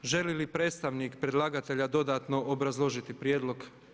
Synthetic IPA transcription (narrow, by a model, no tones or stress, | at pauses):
ʒe̞lilipɾe̞ːt̪st̪aʋnikpɾed̪lˠaːɡat̪e̞ʎad̪o̞d̪aːt̪no̞ʔobɾazlˠo̞ʒit̪ipɾjeːd̪lo̞ɡ